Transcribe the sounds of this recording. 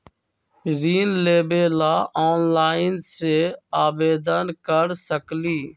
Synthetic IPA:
ɾiːnleːbeːlaːʔoːnlaːɪnseːaːbeːd̪ənkəɾsəkliː

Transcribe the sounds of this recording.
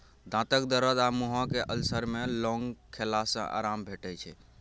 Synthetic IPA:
d̪ãt̪əkd̪əɾəd̪amuɦɔ̃keʔəlsəɾmelɔŋɡkʰelasə̰̃ʔa̰ɾambʱeʈɛt͡ʃʰɛ

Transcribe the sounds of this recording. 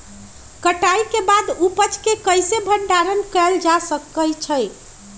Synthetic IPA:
kəʈajkebad̪upət͡ʃkekəjsebʱəɳɖaɾənkɛld͡ʒasəkːət͡ʃʰəj

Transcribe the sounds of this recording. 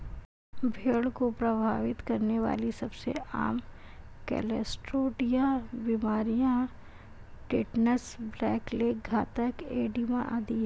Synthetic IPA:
bʱeːɽkopɾɐbʱaːʋɪt̪kɐɾneʋa̰ːlisɐbsḛa̰ːm | kɛ̰ːlɛsʈɾoːʈijãbimaːɾijã | ʈeːʈnəsblɛːkleɡʱaːt̪əkeːɖimã̰ʔa̰d̪iɦɛ

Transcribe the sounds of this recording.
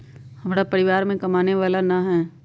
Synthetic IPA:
hɐmɾapɐɾɪʋaːɾmẽkɐmaːneʋaːlanaɦɛː

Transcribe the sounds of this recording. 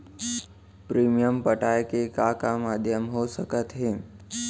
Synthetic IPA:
pɾiːmijəmpəʈajkekakamad̪ʱjəmɦosəkət̪ɦe

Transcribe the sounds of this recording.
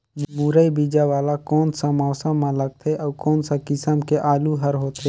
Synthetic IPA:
d͡ʒmuːɾəibiːd͡ʒaʋaːlakoːnsãmɔːsə̃mːãləɡ̚t̪ʰeʔɔːkɔːnsakɪsəmkeʔaːluɦəɾɦoːt̪ʰeː

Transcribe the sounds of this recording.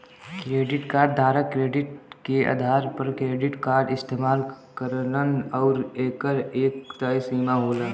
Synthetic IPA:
kɾeːɖɪʈkaːɾɖd̪ʱaːɾəkɾeːɖɪʈkea̰ːd̪ʱaːɾpəɾkɾeːɖɪʈkaːɾɖɪst̪eːmaːl | kəɾlənɔːɾeːkəɾeːkt̪aːisiːmaɦoːlaː

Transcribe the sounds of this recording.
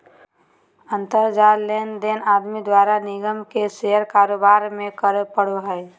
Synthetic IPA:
ə̃nt̪əɾd͡ʒaːlend̪eːnaːd̪mid̪waːɾanɪɡəmkeseɦəɾkaːɾoːbaːɾmẽkəɾpəɽ̤oɦɛɪ

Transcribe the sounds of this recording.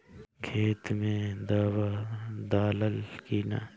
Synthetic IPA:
ɡʰʱeːt̪mẽd̪aːʋad̪aːləlkiːna

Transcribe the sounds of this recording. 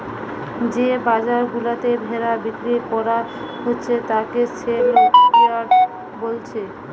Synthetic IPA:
d͡ʑebad͡ʑaɾɡulat̪ebʱeɾabikɾikɔɾa | ɦotːɕʰet̪akeseloʈbiaɖ | bolt͡ɕʰe

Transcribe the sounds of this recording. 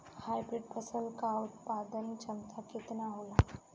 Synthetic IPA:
hajbɾɪɖ̚pʰəsəlkaʊt̪paːd̪ənt͡ʃəmt̪ʰaket̪naɦola

